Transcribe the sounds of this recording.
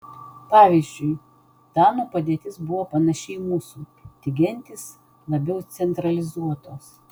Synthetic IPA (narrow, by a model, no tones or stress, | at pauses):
pɑːʋʲiːzʲd͡ʒʲʊɪ | t̪ɑːnoːpɐd̪ʲieɛt̪ʲɪsbʊʋoːpɐnɐʃʲɛɪmuːsuːt̪ʲɪɡʲɛnʲt̪ʲɪs | lˠɐbʲɛʊt̪sʲɛnt̪ɾɐlʲɪzuɔt̪oːs